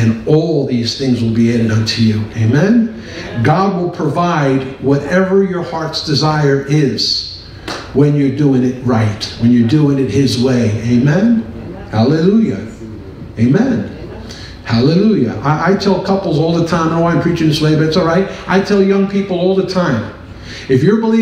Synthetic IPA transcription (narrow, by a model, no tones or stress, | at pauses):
ɨ̃nɔlˠðiz̥θɪ̃ŋzwəlˠbieɾɨɾʌ̃ntʰʉjʉeɪmɛ̃n | ɡɑd̚wəlˠpʰɹ̥ɨvaɪd̚wʌɾɛvə˞jə˞hɑɹtsd̥ɨzaɪə˞ʔɪz̥ | wɨ̃njə˞duɪ̃ŋɪt̚ɹaɪt̚wɨ̃njə˞duɪ̃ŋɨt̚hɪzweɪẽɪmɛ̃nhælˠɨlujɨ̰ | eɪmɛ̃n | hælˠəlujɨ̰ʔaɪʔaɪtʰɛlˠkʰʌpl̩ˠzɔlˠðətʰãɪ̃mnoãɪ̃mpʰɹ̥it͡ʃɪ̃ŋðɪsweɪbɨtsɔlˠɹaɪt̚ʔaɪtʰɛlˠjʌ̃ŋpʰipl̩ˠɔlˠðətʰãɪ̃m | ɨfjə˞bəli